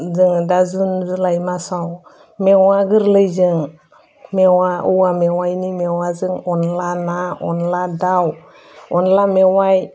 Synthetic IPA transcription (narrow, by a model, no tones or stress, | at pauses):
zəŋdazunzulajmasaw | mewaɡəɾləd͡ʒəŋ | mewauwamewajnimewazəŋonlanao̰nladaw | onlamewaj